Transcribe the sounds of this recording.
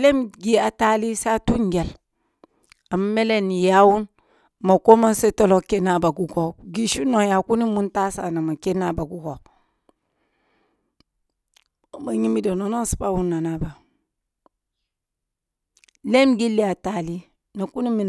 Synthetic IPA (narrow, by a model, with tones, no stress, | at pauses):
le˦mɡi˦a˨ta˦li˦sa˦tu˦ŋɡe˨l | a˨m˦me˦le˦ni˨ja˦wu˦n | ma˨ko˦ma˦nse˦to˦lo˨ke˦na˨ba˨ɡu˨ɡo˨ɡi˦ʃu˦no˨ja˨ku˦ni˦mu˦nta˦sa˨na˨ma˨ke˦na˨ba˨ɡu˦ɡo˨ | ma˨ɲi˦mi˦do˨no˨no˦n˦si̥˦pa˦˨wu˦nːa˨na˨ba˨ | le˦mɡi˦lːi˦a˨ta˨li˦ | na˨ku˦ni˦mi˨n